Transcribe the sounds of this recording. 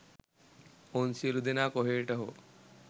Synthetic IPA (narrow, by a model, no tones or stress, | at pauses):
onsielud̪enaːkoɦeːʈɐɦo̰